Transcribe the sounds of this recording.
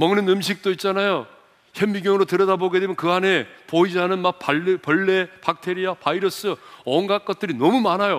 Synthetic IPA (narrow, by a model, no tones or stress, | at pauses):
mʌŋnɯnɯmɕ̬ʰik̚t͈oit̚t͡ɕ͈anajo | çemːiɡjʌŋɯɾotɯɾʌdaboɡe̞demjʌnkɯɦane̞poid͡ʑɦanɯnmak̚papʌɭːe̞pak̚tʰeɾiapaiɾʌs͈ɯʌŋɡak͈̚ʌt̚t͈ɯɾinʌmumanajo